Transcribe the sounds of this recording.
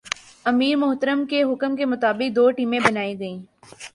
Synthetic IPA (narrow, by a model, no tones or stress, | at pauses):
ɐmiːɾmʊɦt̪əɾəmkeɦʊkəmkemʊt̪aːbɪk̚d̪oːʈiːmẽbɐnaːiɡɐĩː